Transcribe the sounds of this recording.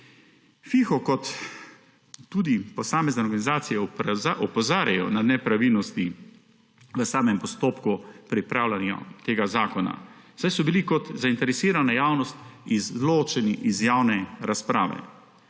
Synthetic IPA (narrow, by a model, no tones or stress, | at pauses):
fixɔkɔt̪ | uːd̪ipɔsaːmɛznɛɔɾɡanizaːt̪sijɛaʔɔpɔzaːɾjajɔnad̪nɛpɾaʋilnɔst̪i | ʋəsaːmɛmpɔst̪oːpkupɾipɾaːwlʲanja̰t̪eːɡazaːkɔna̰ | sajsɔbilikɔt̪zaint̪ɛɾɛsiːɾanajaːwnɔst̪izloːt͡ʃɛniʔizjaːwnɛɾaspɾaːʋɛ̰